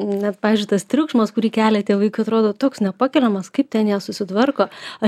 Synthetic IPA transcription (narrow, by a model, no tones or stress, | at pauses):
nʲɛt̪pɑːʋʲɪzʲd͡ʒʲʊɪt̪ɐst̪ʲɾʲʊkʃmɐskʊɾʲiːkʲæːlʲɛt̪ʲeːʋɐɪkʊɐt̪ɾoːd̪oːt̪oːksnʲɛpɑːkʲɛlʲɛmɐskɐɪp̚t̪ʲɛnjɛːsʊsʲɪt̪ʋɐrkoːɐ